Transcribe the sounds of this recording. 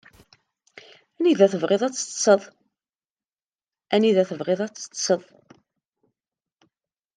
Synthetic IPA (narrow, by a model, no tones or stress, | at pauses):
æniðæθəvʁeðˤæt͡sːə̥tsəðˤ | æniðæθəvʁeðˤæt͡sːə̥tːsəðˤ